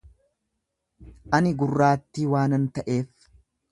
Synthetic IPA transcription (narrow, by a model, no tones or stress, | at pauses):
ʔɐnɪɡʊrːaːt̪ːiːwaːnɐnt̪ɐʔe̞ːf